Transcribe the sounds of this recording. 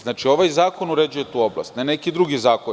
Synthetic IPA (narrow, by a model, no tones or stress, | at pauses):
znaːt͡ʃio̞ʋajzaːko̞nuɾe̞d͡ʑuje̞t̪uːo̞blˠa̰st̪nene̞kid̪ɾuɡizaːko